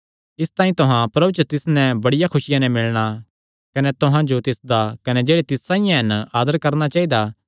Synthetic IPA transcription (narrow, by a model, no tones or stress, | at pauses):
ɪst̪ãːĩt̪ʊɦãpɾɐbut͡ʃət̪ɪsnɛ̃bɐɽɪjakʰʊsɪjãnɛ̃mɪlɽ̃a | kɐnɛt̪ʊɦãd͡ʒot̪ɪsd̪akɐnɛd͡ʒeːɽet̪ɪsːãɪjãɦɐnaːd̪əɾkɐɾñat͡ʃaːid̪a